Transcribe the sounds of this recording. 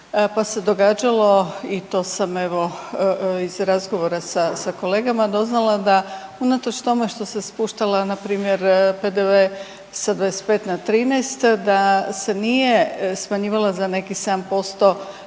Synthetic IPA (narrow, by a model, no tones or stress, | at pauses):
pase̞d̪o̞ɡaːd͡ʒalˠo̞it̪o̞ːsame̞ʋo̞ | izɾazɡo̞ʋo̞ɾasasako̞le̞ːɡamad̪o̞znalˠad̪aunat̪ot͡ʃt̪o̞me̞ʃt̪o̞sespuʃt̪alanapɾiːmjeɾpe̞d̪eʋe | sad̪ʋadeset̪̚pe̞ːt̪nat̪ɾiːnejst̪d̪ase̞nijesmaɲiːʋalazanekised̪ampo̞st̪o̞